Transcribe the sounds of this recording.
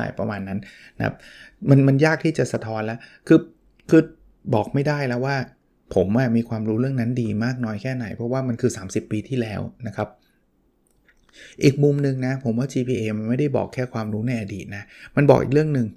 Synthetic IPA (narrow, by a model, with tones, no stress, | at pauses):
a̰ː˨˩jpɾa˧maː˧nːa˦˥n | nʰa̰˦˥p̚ma˧nma˧njaː˥˩k̚t̪ʰiː˥˩t͡ɕa˨˩sa˧t̪ʰɔː˦˥nlɛ˦˥kʰɯː˧ | kʰɯː˧ | bɔː˨˩k̚ma˥˩jdaː˥˩jlɛː˦˥waː˥˩ | pʰo˩˦mʔa˧˩miː˧kʰwaː˧mɾuː˦˥ɾɯ˥˩əŋna˦˥ndiː˧maː˥˩k̚nɔː˧jkʰɛː˥˩na˩˦jpʰɾɔ˦˥waː˥˩ma˧nkʰɯː˧saː˩˦msi˨˩pːiː˧t̪ʰiː˥˩lɛː˦˥wna˦˥kʰa˦˥p̚ | ʔiː˨˩k̚mu˨˩mnɯ˨˧ŋna˦˥pʰo˩˦mwaː˥˩t͡ɕiː˧pʰiː˧ʔeː˧ma˧nma˥˩jda˥˩jbɔ̰ː˨˩kʰːɛː˥˩kʰwaː˧mɾuː˦˥na˧jʔa˧diː˨˩t̪̚na˦˥ma˧nbɔ̰ː˨˩k̚ʔḭ˨˩ɾɯ˥˩əŋnɯ˨˧ŋ